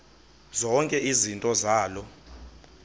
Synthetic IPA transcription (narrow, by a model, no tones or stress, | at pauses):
zɔŋkʼɛʔizintʼɔzaːlɔ